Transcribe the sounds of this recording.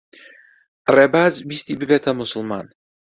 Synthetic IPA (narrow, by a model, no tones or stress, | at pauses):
rɛbazvisʲt̪ʲibɪbɛt̪ʰamʊsʊlˠma̰n